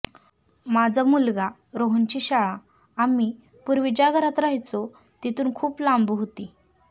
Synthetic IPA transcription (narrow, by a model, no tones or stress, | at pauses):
mad͡zʱamulɡa | ɾoɦənt͡ɕiɕaɭa | ami | puɾʋid͡ʑaɡʱəɾat̪ɾaɦit͡so | t̪it̪uːnkʰuːplambuɦot̪i